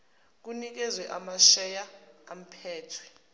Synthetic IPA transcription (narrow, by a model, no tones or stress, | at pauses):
k̬unik̬ɛzwɛʔamaʃɛjaam̩pʰɛːtʰwɛ̥